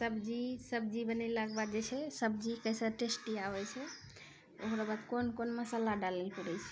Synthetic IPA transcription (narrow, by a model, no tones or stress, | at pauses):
səbd͡ʒisəbd͡ʒibənɛlakbad̪d͡ʒet͡ʃʰɛsəbd͡ʒikəjsəɾʈesʈiabɛt͡ʃʰɛ | okɾabad̪konkonməsalaɖalɛpuɽɛjt͡ʃʰɛ̥